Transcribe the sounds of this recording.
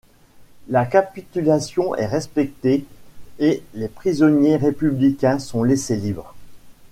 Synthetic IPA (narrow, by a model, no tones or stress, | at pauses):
lakapit̪ylasjɔ̃ʔɛ̰ʁɛspɛk̚t̪eelepχizɔnjeʁepyblikʲɛ̃sɔ̃leselibʁ